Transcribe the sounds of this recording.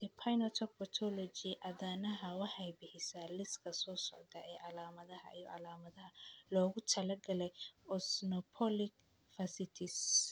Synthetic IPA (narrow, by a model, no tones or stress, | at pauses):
ɛpʰajnɔt̪ʰɔk̚bɔt̪ʰɔlɔd͡ʒɪʔɐðaːnɐɦɐwɑħɑjbɪhɪsaːlɪskʰɐsɔːsɔʕd̪ɐʔɛːʕɑlaːmɐðɐɦɐ̰ʔḭjɔ̰ʕɑ̰laːmɐðɐɦɐlɔːɣʊt̪ʰɐlɐɡɐlɛjɔsnɔpʰɔlɪk | fɐsɪt̪ʰɪs